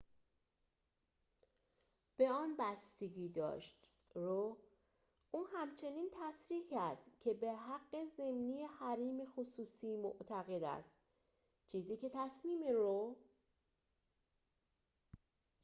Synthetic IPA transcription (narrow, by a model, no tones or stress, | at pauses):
b̥e̞ɒːnbæst̪eɟiːd̪ɒ̰ːʃt̪ | ro | ʔuːhæmt͡ʃʰe̞niːnt̪ʰæsɾiːcʰæɾd̪̥cʰe̞beɦæɡːe̞ze̞mnijehæɾiːmexosuːsiːmoʔt̪ʰæɣe̞d̪æ̰st̪ | t͡ʃʰiːziːce̞t̪ʰæsmiːmeɾo